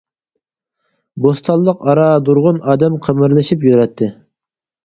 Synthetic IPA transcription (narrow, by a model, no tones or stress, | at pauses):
bost̪ʰɑlˠːəqɑɾɑd̪uɾʁʊnɑːd̪ɛmqʰəmɨɾlˠɨʃipjøɾɛt̪ʰːɪ